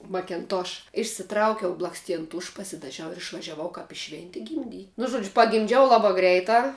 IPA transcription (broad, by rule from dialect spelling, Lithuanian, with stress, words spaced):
mɐkʲɛnˈtoːʃ ɪʃʲsʲɪˈtrɐʊkʲɛʊ blˠɐksʲˈtʲiɛn ˈtʊʃ pɐsʲɪdɐˈʒʲɛʊ ɪr ɪʃʋɐʒʲɛˈʋɐʊ kɐp ɪ ˈʃʲʋʲɛnʲtʲɪ ɡʲɪmʲˈdʲiː nʊ ˈʒuɔd͡ʒʲʊ pɐɡʲɪmʲˈd͡ʒʲɛʊ ˈlˠɑːbɑː ˈɡrʲɛɪtɑː